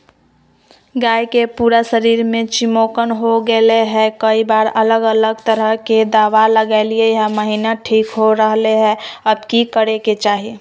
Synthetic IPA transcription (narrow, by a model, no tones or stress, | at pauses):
ɡaːjkepuːɾasəɾiːɾmẽt͡ʃɪmoːkənɦoɡeleɦɛ̃kəibaːɾələɡələɡt̪əɾəɦked̪aːʋaləɡaɪliejəɦə̃məɦinaʈʰiːkɦoɾəɦleɦɛəbkikəɽeket͡ʃaːɦie